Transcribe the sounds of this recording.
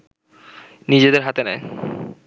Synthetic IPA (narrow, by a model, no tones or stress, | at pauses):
nid͡ʑed̪eɾɦat̪enɛe